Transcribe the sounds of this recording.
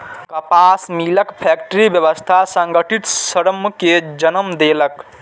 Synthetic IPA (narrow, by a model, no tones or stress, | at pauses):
kəpasmiləkpʰɛkʈəɾibjəβəst̪ʰasə̃ŋɡəʈʰit̪səɾəmked͡ʒənəmd̪elək